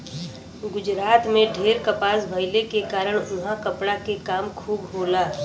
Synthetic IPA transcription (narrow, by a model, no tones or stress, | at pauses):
ɡʊd͡ʒɾaːt̪mẽɖʱeːɾkəpaːsbʱəɪlekekaːɾəɽ̃ʊnɦãkəpɽakekaːmkʰuːbɦoːlaː